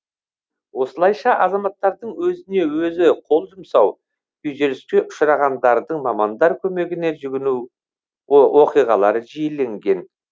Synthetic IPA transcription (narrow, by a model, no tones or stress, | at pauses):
wo̞səlˠɑjʃɑʔɑzɑmɑt̪ːɑɾd̪əɴwɵzɪne̞wɵzɪqʰo̞lˠʒəmsɑw | yjʒeɾɪskʲe̞ʔʊ̥ʃəɾɑʁɑnd̪ɑɾd̪əɴmɑmɑnd̪ɑɾkʲʰɵme̞ɡʲɪne̞ʒʏɡʲɪnu | wo̞qijʁɑlˠɑɾəʒijele̞ŋɡʲe̞n